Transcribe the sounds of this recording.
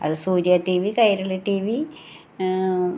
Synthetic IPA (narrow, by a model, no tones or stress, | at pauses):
ɐ̰ðɨsuːɾjaʈiːʋikɐjɾɐliʈiːʋi